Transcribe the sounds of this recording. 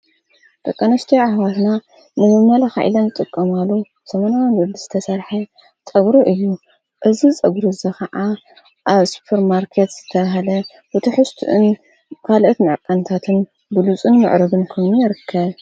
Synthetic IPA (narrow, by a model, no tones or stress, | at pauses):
t̪ʼɐkʼːɐnɐst̪ʰijaʕahwat̪na | nɨmɨmːɐlaxa̰ʔḭlɐnzɨt̪ʼɨkʼːɐmalːu | sɐmanawinwɨd̪izɨt̪ʰɐsɐɾħɐ | t͡sʼɐɡɾuʔɨjːu | ʔɨzit͡sʼɐɡɾuzɐkɐʕa | ʔaβsu̥pʰɐɾmaɾkʰet̪z̥ɨt̪ʰɐβɐɦalɐ | bɨt̪ʰiħɨst̪ʰuʔɨn | kʰalʔot̪mɨʕkʼɐnt̪ʰat̪ʰɨn | bɨlut͡sʼɨnmɨ̰ʕɾɐbɨnkʰojnujɪɾɨkʰːɐβ